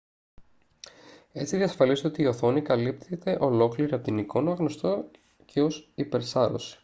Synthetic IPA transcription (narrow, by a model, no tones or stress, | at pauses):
e̞t͡siðiɐsfɐliso̞t̪iːo̞θo̞nikɐlip̚t̪ʰet̪e̞ʔo̞lo̞kliɾiɐpot̪iniko̞nɐɣno̞st̪o | cʰe̞o̞sipe̞ɾsɐɾo̞̰si̥